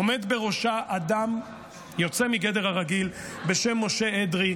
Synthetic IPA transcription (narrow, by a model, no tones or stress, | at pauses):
ome̞d̪be̞ʁo̞ʃaʔad̪am | jo̞t͡semiɡe̞d̪eʁhaʁaɡilbe̞ʃe̞mːo̞ʃe̞ed̪ʁi